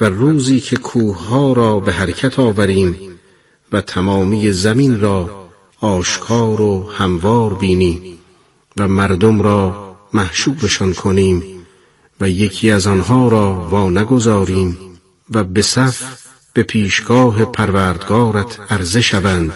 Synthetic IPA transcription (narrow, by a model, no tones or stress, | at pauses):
væruːziːkʰe̞kʰuːhhɒːɾɒːbeɦæɾecʰæt̪ʰɒːvæɾiːm | væt̪ʰæmɒːmije̞zæminrɒː | ʃkʰɒːɾohæmvɒːɾbiːniːm | væmæɾd̪omɾɒːmæhʃuːbe̞ʃɒnkʰoniːm | væje̞kʰiːæzɒnɦɒːɾɒːvɒːnæɡo̞zɒːɾiːm | væbe̞sæf | b̥e̞pʰiːʃɡ̥ɒːɦe̞pʰæɾvæːɾd̪ɡɒːɾæt̪ʰæɾze̞ʃævænd̪̥